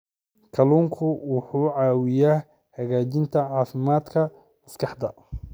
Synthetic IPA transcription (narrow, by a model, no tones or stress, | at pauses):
kʰɐluːŋkʰʊwʊħuːʕɑːwɪjaː | hɐɣaːt͡ʃɪnt̪ʰɐʕɑːfɪmaːd̪kʰɐ | mɐskʰɑħd̪ɐ